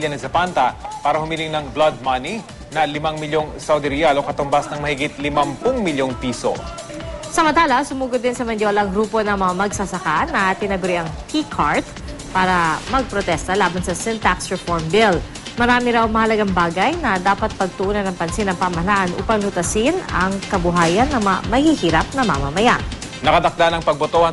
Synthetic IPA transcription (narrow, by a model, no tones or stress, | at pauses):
lɐnɐsɐpant̪ɐpaːɾɐhʊmilɪŋnɐŋblad̪̚mɐni | nɐlɪmaŋmɪljoŋsawd̪ɪɾijalokɐt̪ʊmbasnɐŋmɐhɪɡit̪̚lɪmɐmpʊŋmɪljoŋpiːso̰ | sɐmɐnt̪aːlɐsʊmuːɡod̪ːɪnsɐmɐnd̪joːlɐɐŋɡɾuːpo̞nɐŋmɐŋamɐɡsɐsɐkanɐt̪ɪnɐɡʊɾɪʔɐŋt̪ʰikʰaɹt̪ | paːɾɐmɐɡ̚pɾot̪ɛst̪ɐlaːbɐnsɐsɪnt̪aksɹɛfoɹmbɪl | mɐɾaːmɪɾawmɐhɐlɐɡaŋbaːɡɐjnɐd̪aːpɐt̪̚pɐɡ̚t̪ʊʔuːnɐnɐŋpɐnsɪnɐŋpamɐɐlaʔanʔṵːpɐŋlʊt̪ɐsɪnɐŋkɐbʊɦaːjɐnːɐŋmɐa̰mɐhihiːɾap̚nɐmamɐmɐja̰ʔ | nɐkɐd̪ɐk̚d̪anɐŋpɐɡ̚bot̪ohɐ